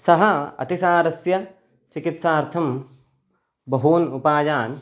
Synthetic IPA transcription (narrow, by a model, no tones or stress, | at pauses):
sɐɦɐɐ̰t̪isaːɾɐsjɐ | t͡ʃikit̪saːɾt̪ʰɐm | bɐɦuːnupaːjaːn